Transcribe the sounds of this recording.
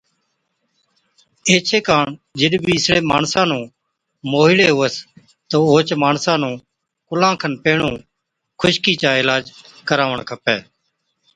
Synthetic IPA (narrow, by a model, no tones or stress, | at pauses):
eːt͡ʃʰeːkaːɳd͡ʒɪɗbiːɪsɽẽːmaːɳsãːnũː | moːɦɪɽeːɦʊːəs | t̪oːoːt͡ʃmaːɳsãːnũː | kʊlãːkʰənpeːɳũː | kʰʊʃkiːt͡ʃaːɪlaːd͡ʒ | kəɾaːʋəɳkʰəpeː